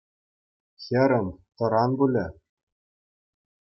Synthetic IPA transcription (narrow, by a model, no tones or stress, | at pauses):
xʲɘ̆ɾʲɘ̆mʲt̪ɤ̆ɾɑnbulʲɘ̆